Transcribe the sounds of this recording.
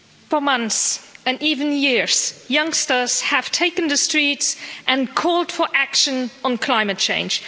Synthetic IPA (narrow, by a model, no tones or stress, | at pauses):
fə˞mʌ̃nθsɨ̃nivɨ̃njɪɹz̥jʌ̃ŋstə˞z̥ɨv̥tʰeɪkɨ̃nðɨstɹ̥itsʔɨ̃nkʰɔlˠd̥fə˞ʔækʃə̃nə̃n̩kʰl̥ãɪ̃mɨt̚t͡ʃʰḛ̃ɪ̃nd͡ʒ̥